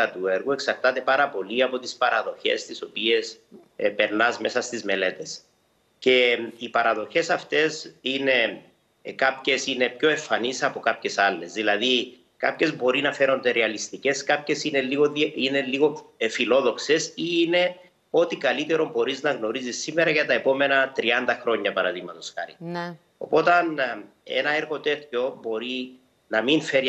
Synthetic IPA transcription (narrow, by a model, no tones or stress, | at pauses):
ɐt̪ueɾɣue̞ksɐɾt̪ɐt̪e̞pɐɾɐpo̞liɐpo̞t̪ispɐɾʔɐ̰ðo̞çe̞̰st̪iso̞pie̞s | pe̞ɾnɐzme̞sɐst̪izme̞le̞t̪e̞s | ce̞ipɐɾɐðo̞çe̞sɐft̪e̞sine̞ | kapçe̞sine̞pço̞e̞fːɐnisɐpo̞kapçe̞salːe̞zðilɐði | ka̰pçe̞zbo̞ɾinɐfe̞ɾo̞nd̪eɾeɐlist̪ice̞skɐpçe̞sineiɣoineliɣofilo̞ðo̞kse̞siːne̞ | o̞t̪ikɐlit̪eɾo̞mbo̞ɾiznɐɣno̞ɾizisːimeɾɐʝɐt̪ɐepo̞me̞nɐt̪ɾiɐnd̪ɐxɾo̞ɲːɐpɐɾɐðiɣmɐt̪osxɐ̰ɾḭ | o̞̰po̞t̪ɐn | ḛnɐeɾɣo̞t̪e̞t̪co̞bo̞ɾi | nɐminfeɾ